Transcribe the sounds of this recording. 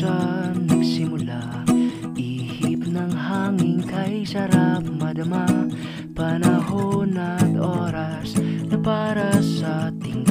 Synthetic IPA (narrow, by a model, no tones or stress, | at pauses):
anɐɡsɪmʊla | ʔihip̚nɐŋhaːŋɪŋkɐjsɐɾap̚mɐd̪ɐma | pɐnɐɦonɐt̪ʔo̞ːɾɐ | snɐpaɾɐsɐt̪ɪŋ